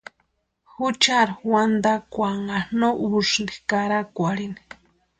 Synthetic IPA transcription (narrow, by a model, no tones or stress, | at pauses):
xut͡ʃaɾawand̪akʷaŋanoʔuʂnd̪ikaɾakʷaɾini̥